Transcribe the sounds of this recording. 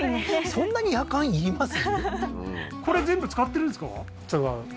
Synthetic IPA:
sõ̞nːaɲ̟ijakãɰ̃iɾʲimasɨ | ko̞ɾe̞zẽ̞mbɯt͡sɨ̥kat̪ːe̞ɾɯ̟̃nsɨ̥ka̰ | t͡sɨɡaɯ̟

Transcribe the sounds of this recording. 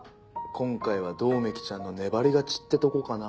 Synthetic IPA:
kʰõ̞ŋkaiβ̞ad̪o̞ːme̞kʲi̥t͡ɕãnːo̞ne̞baɾʲiɡat͡ɕi̥t̪ːe̞t̪o̞kokana

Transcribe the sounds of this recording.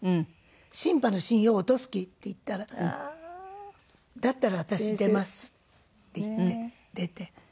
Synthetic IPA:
ɕĩmpano̞ɕĩɰ̃joːt̪o̞sɨ̥kʲit̪ːe̞it̪ːaɾa | d̪at̪ːaɾaβat̪aɕid̪e̞masɨ̥ | t̪ːe̞it̪ːe̞ | d̪̥e̞t̪e̞

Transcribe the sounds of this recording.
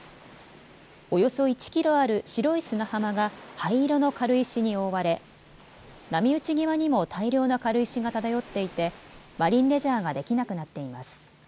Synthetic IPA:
o̞jo̞so̞it͡ɕi̥kʲiɾo̞aɾɯ̟ɕiɾo̞isɨnahamaɡahaiɾono̞kaɾɯ̟iɕiɲ̟io̞βaɾe̞ | namʲiɯ̟t͡ɕiɡʲiβaɲ̟imo̞t̪ʰaiɾʲjo̞ːnokaɾɯ̟iɕiɡat̪ad̪ajo̞t̪ːe̞it̪e̞ | baɾʲĩnɾe̞ʑaːɡad̪e̞kʲinakɯ̟nat̪ːe̞imasɨ̥

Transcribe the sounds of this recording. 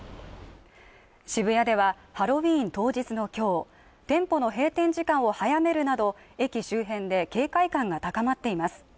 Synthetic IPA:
ɕibɯ̟jad̪e̞β̞a | haɾo̞βʲĩːnt̪o̞ːʑit͡sɨno̞kʲo̞ː | t̪ẽ̞mpo̞no̞ɦe̞ːt̪ẽ̞ɲ̟d͡ʑikãɰ̃o̞hajame̞ɾɯ̟nad̪o̞ | e̞kʲiɕɨːɦẽ̞nd̪e̞ke̞ːkaikãŋɡat̪akamat̪ːe̞imasɨ̥

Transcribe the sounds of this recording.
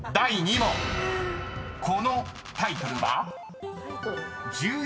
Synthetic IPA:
d̪aiɲ̟imo | kʰo̞no | t̪ait̪o̞ɾɯ̟βa | d͡ʑɨː

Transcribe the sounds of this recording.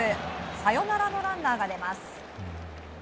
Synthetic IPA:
ɨsajo̞naɾano̞ɾãnd̪aːɡad̪e̞masɨ̥

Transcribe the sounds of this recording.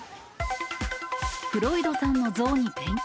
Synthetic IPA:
ɸɯ̟ɾo̞id̪o̞sãnːo̞zo̞ːɲ̟it̪ẽŋ

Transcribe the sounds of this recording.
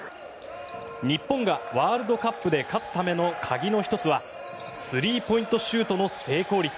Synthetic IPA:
ɲ̟ipːõ̞ŋɡaβaːɾɯ̟d̪o̞kapːɯ̟d̪e̞kat͡sɨ̥t̪ame̞no̞kʰaɡʲino̞çi̥t̪o̞t͡sɨβa | sɨɾʲiːpo̞ĩnt̪o̞ɕɨːt̪o̞no̞se̞ːko̞ːɾʲit͡sɨ̥

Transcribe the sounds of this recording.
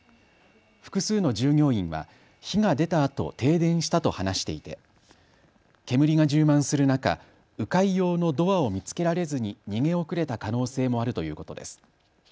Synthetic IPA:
ɸɯ̟̥kɯ̟sɨːno̞ʑɨːŋʲo̞ːĩɰ̃βa̰ | çiŋad̪e̞t̪aːt̪o̞̰t̪e̞ːd̪ẽ̞ɰ̃ɕi̥t̪at̪o̞hanaɕi̥t̪e̞it̪e̞̰ | ke̞mɯ̟ɾʲiŋaʑɨːmãɰ̃sɨɾɯ̟naka̰ | ɯ̟kaijo̞ːno̞d̪o̞βao̞mʲit͡sɨ̥ke̞ɾaɾe̞zɨɲ̟iɲ̟iŋẽ̞o̞kɯ̟ɾe̞t̪akano̞ːse̞ːmo̞aɾɯ̟t̪o̞jɯ̟ːko̞t̪o̞d̪e̞̰sɨ̥

